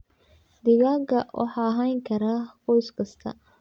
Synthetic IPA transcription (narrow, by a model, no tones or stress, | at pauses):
d̪ɪɣaːɡɐwʔɑ̰ħɑɦajŋkʰɐɾaːqɔjskʰɐst̪ʰɐ̰